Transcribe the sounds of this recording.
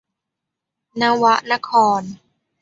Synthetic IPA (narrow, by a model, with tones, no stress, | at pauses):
na˧˥wa˦˥ʔna˦˧˥kʰɔː˧n